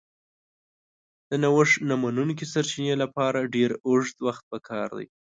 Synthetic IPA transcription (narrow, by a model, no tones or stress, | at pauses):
d̪̥ənawəʂnamanunk̬isaɾt͡ʃinelapɑɾaɖeɾoʐd̪waxt̪̚pəkʰɑɾd̪a̰j